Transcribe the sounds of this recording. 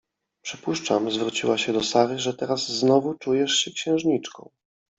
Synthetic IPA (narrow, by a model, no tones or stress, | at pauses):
pʂɘpuʂt͡ʂamzvɾut͡ɕiwaɕɛd̪ɔsaɾɘʐɛt̪ɛɾazːnɔvut͡ʂujɛʂɕɛkɕɛ̃wʐɲit͡ʂkɔ̰̃w̃